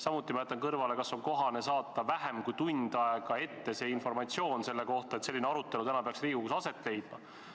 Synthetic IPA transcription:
sɑmut̪ːˑimɑjet̪ːˑɑnkɤrvɑle̞kɑso̞nko̞ɦɑne̞sɑːt̪ːˑɑvæɦemkujt̪unʲd̪̥ɑeɡ̥ɑe̞t̪ːe̞se̞ːinfo̞rmɑt̪sio̞ːnse̞lːe̞ko̞ht̪ɑet̪se̞lːineɑɾut̪ːˑe̞lut̪ænɑpeɑksriːɡukusɑse̞t̪ːˑle̞jd̪̥̚mɑ

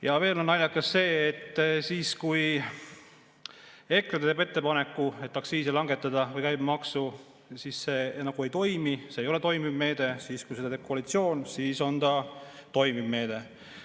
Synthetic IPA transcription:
jɑve̞ːlo̞nːɑljɑkːˑɑsːe̞ːet̪ːsiːskuj | e̞krɑt̪t̪eːbe̞t̪ːe̞pɑne̞kˑːue̞t̪ːɑksiːsilɑŋɡe̞t̪ːˑɑd̪̥ɑvɯjkæjb̥mɑksu | sisenɑɡ̥ue̞jt̪o̞jmiseːjo̞le̞t̪o̞jmibme̞ːd̪̥e̞siːskujsed̪ɑt̪e̞ːb̥̚koɑlit̪sio̞ːnsiːso̞nt̪ɑt̪o̞jmibme̞ːd̪̥e̞

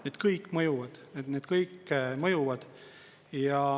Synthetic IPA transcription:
neːd̪̥kɤjkːˑmɤjuvɑd̪̥ned̪neːd̪̥kɤjkːmɤjuvɑd̪̥ | jɑ

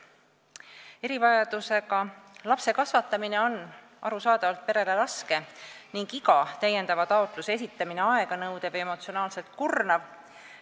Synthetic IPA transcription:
e̞ɾivɑjɑd̪̥use̞ɡɑlɑpse̞kɑsvɑt̪ːˑɑmine̞o̞nː | ʔɑɾusɑːd̪̥ɑvɑlt̪̚pe̞ɾe̞le̞ɾɑske̞niŋɡ̥iɡɑt̪æje̞nd̪̥ɑvɑt̪ɑo̞t̪ˑluses̬it̪ːˑɑmine̞ɑe̞ɡ̥ɑnɤwd̪̥e̞ve̞mo̞t̪sionɑːlse̞lt̪̚kurnɑv

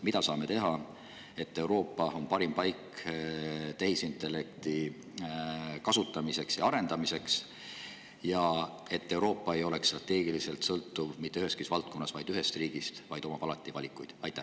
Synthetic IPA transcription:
mid̪ɑsɑːme̞t̪e̞ɦɑ | e̞t̪ːe̞wɾo̞ːpːˑɑo̞npɑɾimpɑjk | t̪ehisint̪ːˑe̞le̞kt̪i | kɑsut̪ːˑɑmise̞ksjɑɑɾe̞nd̪̥ɑmise̞ks | jɑ | e̞t̪ːe̞uwɾo̞ːpːˑɑe̞jo̞le̞kstrɑt̪ːˑe̞ːɡilise̞lt̪sɤlt̪ːuvmit̪ːˑeyhe̞skisvɑlt̪̚ko̞nːɑsvɑjd̪yɦe̞st̪riːɡ̥ist̪vɑjd̪o̞mɑpɑlɑt̪ːˑivɑlʲikːˑujd̪̥ɑ̰jt̪ːˑæ

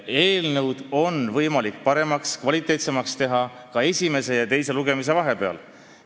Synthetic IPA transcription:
e̞ːlnɤwd̪̥o̞nvɤjmɑlik̚ːpɑɾe̞mɑkskvɑlit̪ːˑe̞ːt̪se̞mɑkst̪e̞ɦɑ | kɑe̞sʲime̞se̞jɑt̪e̞jseluɡ̥e̞mis̬e̞vɑɦe̞pe̞ɑ̰l

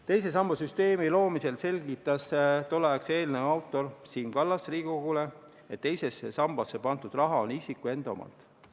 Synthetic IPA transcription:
t̪e̞jse̞s̬ɑmːɑsyst̪e̞ːmilo̞ːmise̞lse̞lɡ̥it̪ːˑɑst̪olːɑekse̞ːlneɑwt̪ˑːo̞rsiːnkɑlːɑsriːɡkoɡ̥ule̞ | et̪ːe̞jse̞sːesɑmb̥ɑsːe̞pɑnt̪ud̪rɑɦɑonisikˑue̞nd̪o̰mɑ̰lt̪ˑ

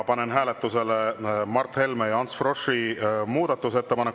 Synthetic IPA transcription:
pɑnenɦæːlet̪ːˑuse̞lemɑrt̪he̞lmejɑɑnt̪sfro̞ʂimuːd̪̥ɑt̪ːˑuse̞t̪ːe̞pɑnek

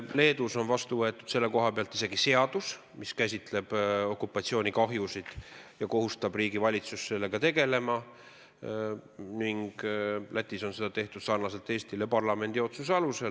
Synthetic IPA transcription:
le̞ːd̪uso̞nvɑst̪uvɤ̞e̞t̪ːˑud̪̥se̞lːe̞ko̞ɦɑpeɑlt̪ːise̞ɡise̞ɑd̪̥us | miskæsʲit̪le̞b̥o̞kːupːˑɑt̪sio̞ːnikɑɦjusid̪̥jɑko̞ɦust̪ɑb̥riːɡivɑlʲit̪susse̞lːe̞ɡ̥ɑt̪e̞ɡe̞le̞mɑ | niŋɡ̥lʔæt̪ːˑiso̞nse̞d̪̥ɑt̪eht̪ud̪̥sɑrnɑse̞lt̪ːˑe̞ːst̪ile̞pɑrlɑme̞nd̪io̞t̪suseɑluse̞l

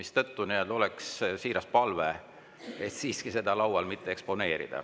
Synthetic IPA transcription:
mist̪ɤt̪ːunield̪̥o̞lɛkssiːɾɑspɑlve | et̪siːskise̞d̪ɑlɑwwɑlmit̪ːeekspo̞ne̞ːɾḭd̪̥ɑ̰

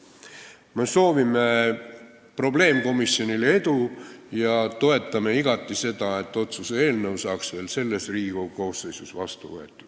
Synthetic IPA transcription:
me̞so̞ːvime̞ | pro̞ble̞ːmko̞misjo̞nilee̞d̪ujɑt̪o̞e̞t̪ːˑɑme̞iɡ̥ɑt̪ːˑise̞d̪̥ɑe̞t̪ːˑo̞t̪susee̞ːlnəusɑːksve̞ːlse̞lːe̞sriːɡ̥uko̞ːsːejsusvɑst̪uvɤ̰e̞t̪ːˑɑd̪

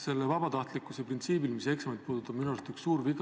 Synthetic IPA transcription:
se̞lːevɑbɑt̪ɑht̪likːˑuse̞print̪siːbilmise̞ksɑmet̪̚puːd̪̥ut̪ːˑɑb̥minuɑlust̪yksuːɾviɡ

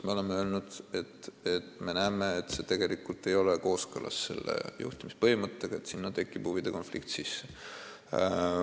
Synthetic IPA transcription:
me̞ole̞meøːlnud̪̥e̞t̪ːet̪me̞næːmeːt̪ːse̞t̪e̞ɡ̥e̞likult̪ːˑe̞jo̞leko̞ːskɤlʔɑ̰sːe̞̰lːḛjṵht̪imispɤhimɤt̪ˑːeɡ̥ɑe̞t̪sinːɑt̪e̞kːˑib̥huvid̪̥e̞ko̞nflḭkt̪sisːe̥

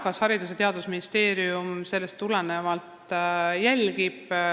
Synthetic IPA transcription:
kɑshɑɾid̪us̬et̪e̞ɑd̪usminist̪e̞ːɾiumse̞lːest̪ːulenevɑlt̪jælʲɡib̥

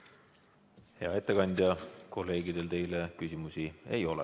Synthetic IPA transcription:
he̞ɑe̞t̪ˑːe̞kɑnd̪̥ʲjɑko̞lːe̞ːɡid̪̥e̞lt̪e̞jle̞kysimusie̞jo̞lḛ

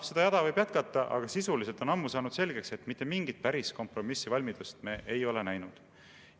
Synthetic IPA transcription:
se̞d̪ɑjɑd̪̥ɑvɤjb̥jæt̪kɑt̪ːˑɑʔɑ̰ɡ̥ɑsisuliselt̪o̞nɑmːusɑːnud̪se̞lɡ̥e̞kse̞t̪ːmit̪ːˑe̞miŋɡit̪̚pæɾisko̞mpro̞misːivɑlʲmid̪̥ust̪me̞ːʔejo̞le̞næjnud̪̥

